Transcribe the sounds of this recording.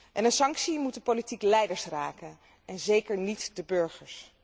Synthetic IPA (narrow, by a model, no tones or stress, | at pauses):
ʔɛnənsɑŋksimut̚dəpolitiklɛjdəɹsraːkən | ɛnzejkəɹnitdəbøɹχəɹs